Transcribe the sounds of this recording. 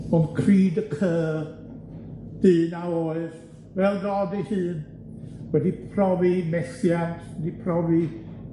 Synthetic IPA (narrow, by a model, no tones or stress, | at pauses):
ɔnkʰriːdəkʰəː | d̥ɨːnawoɨð | vɛlˠɡɔdihɨːn | wɛdipʰrɔvimɛsjantʰwɛdipʰrɔvi